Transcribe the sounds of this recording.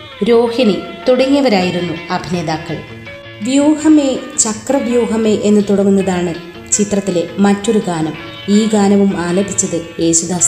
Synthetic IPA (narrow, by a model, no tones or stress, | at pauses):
ɾo̞ːhinit̪uɽɐŋːijɐʋɐɾaːjiɾunːuɐbʱine̞ːðaːkːɐɭ | ʋjuːhɐme̞t͡ɕɐkrɐʋjuːɦɐmeʔenːɨt̪uɽɐŋːunːɐðaːɳɨ | t͡ɕit̪rɐt̪ːilemɐtːo̞ɾuɡaːnɐm | iːɡaːnɐʋumaːlɐbʱit͡ɕːɐðɨje̞ːɕud̪aːs